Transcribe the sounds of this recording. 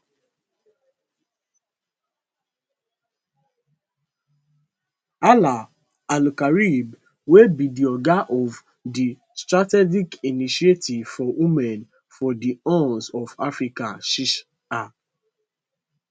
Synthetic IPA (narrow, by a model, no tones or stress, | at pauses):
ala | alukaɹib | webidiɔɡaʔɔv | di | stɹatɛd͡ʒikiniʃietʰivfɔwimɛ̃n | fɔdiɔ̃nsɔvafɹikaʃiʃ | a